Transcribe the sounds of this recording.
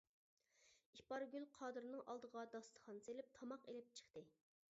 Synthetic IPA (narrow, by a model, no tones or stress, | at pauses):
ipɑɾɡʲylqʰɑːd̪ɨɾnɨŋʔɑ̰lˠd̪əʁɑd̪ɑst̪ʰə̥χɑnselɪp̚t̪ʰɑmɑqelɪp̚t͡ʃʰə̥χt̪ɨ